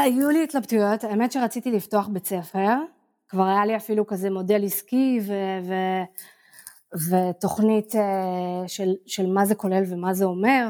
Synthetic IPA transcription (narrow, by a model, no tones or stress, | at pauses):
ajulit̪labtujotaeme̞tʃeʁat͡sit̪ilifto̞aχbe̞t͡se̞fe̞ʁ | kvaʁajaliafilukaze̞mo̞de̞liskiveve | veto̞χniteʃelʃe̞lmazeko̞le̞lvemazeo̞me̞ʁ